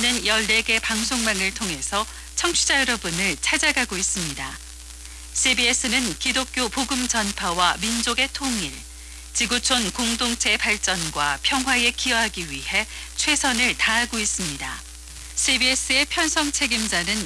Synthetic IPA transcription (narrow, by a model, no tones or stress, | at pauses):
nɯnjʌɭːe̞ɡe̞paŋsʰoŋmaŋɯɭtʰoŋɦe̞sʰʌ | t͡ɕʰʌŋt͡ɕʰud͡ʑajʌɾʌbunɯɭt͡ɕʰad͡ʑaɡaɡois͈ɯmɲida | sʰibie̞s͈ʰɯnɯnkidok̚k͈jopoɡɯmt͡ɕʌnpʰawamind͡ʑoɡe̞tʰoŋiɭ | t͡ɕiɡut͡ɕʰonkoŋdoŋt͡ɕʰe̞paɭt͡ɕ͈ʌnɡwapʰjʌŋɦwae̞kiʌɦaɡiɥihe̞ | t͡ɕʰwe̞sʰʌnɯɭtaɦaɡois͈ɯmɲida | sʰibies͈ɯe̞pʰjʌnsʰʌŋt͡ɕʰe̞ɡimd͡ʑanɯn